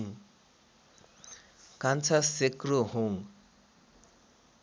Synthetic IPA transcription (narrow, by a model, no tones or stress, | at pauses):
ŋ | kant͡sʰasekɾoɦoŋ